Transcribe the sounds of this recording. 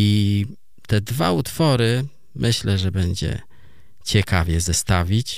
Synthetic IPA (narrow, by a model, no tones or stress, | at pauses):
i | t̪ɛd̪va̰ut̪fɔɾɘ | mʔɘɕlɛʐɛbɛɲd͡ʑɛ̰ | t͡ɕɛkavʲjɛzɛst̪avʲit͡ɕ